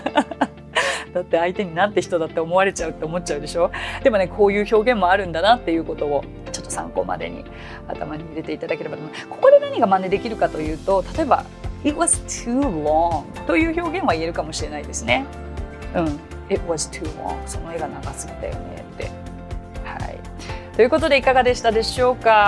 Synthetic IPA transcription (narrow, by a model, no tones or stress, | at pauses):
d̪̥at̪ːe̞ait̪e̞ɲ̟inat̪ːe̞çi̥t̪o̞d̪at̪ːe̞omo̞βaɾe̞t͡ɕaɯ̟t̪ːe̞omo̞t̚t͡ɕaɯ̟d̪e̞ɕo̞ːd̪̥e̞mo̞ne̞kʰo̞ːjɯ̟ːço̞ːɡẽ̞mːo̞aɾɯ̟̃nd̪anat̪ːe̞jɯ̟ːko̞t̪o̞o | t͡ɕo̞t̪ːosã̰ŋko̞̰ma̰d̪e̞̰ɲ̟ḭ | a̰t̪a̰maɲ̟iiɾe̞t̪e̞it̪ad̪ake̞ɾe̞bat̪omako̞ko̞d̪e̞naɲ̟iɡamãnd̪e̞d̪e̞kʲiɾɯ̟kat̪o̞jɯ̟ːt̪o̞t̪ḁt̪o̞e̞ba̰ | it̪̚βazɨt̪ʰuːloŋt̪o̞jɯ̟ːço̞ːɡẽ̞ɰ̃aie̞ɾɯ̟kamo̞ɕiɾe̞naid̪e̞sɨne̞ | ɯ̟̃ɴ | it̪wazɨ̥t̪ʰṵːlõ̰ŋso̞no̞e̞ɡanaɡasɨ̥ɡʲit̪a̰jo̰ne̞̰t̪ːe̞̰ | ha̰ḭ | t̪o̞jiɯ̟ko̞t̪o̞d̪e̞ikaɡad̪e̞ɕi̥t̪ad̪e̞ɕo̞ːka